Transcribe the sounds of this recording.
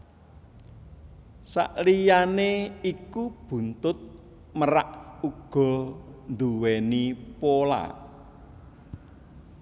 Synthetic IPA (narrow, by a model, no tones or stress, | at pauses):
sa̰ʔlijaneikub̥ṳnt̪ʊt̪̚ | məɾa̰ʔuɡ̥ɔ̤nd̪uwenipola̰